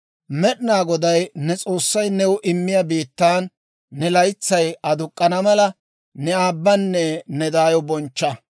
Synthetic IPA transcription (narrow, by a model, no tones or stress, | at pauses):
mɛɗɪnaːɡɔd̪ɐjnɛt͡sʼo̞ːsːɐjnɛwʊʔɪmːɪjɐbiːt̪ːaːnː | ɛlɐjt͡sːɐjɐd̪ʊkʼːɐnɐmɐlɐ | nɛaːbːɐnːɛnɛd̪aːjɔbɔnt͡ʃːɐ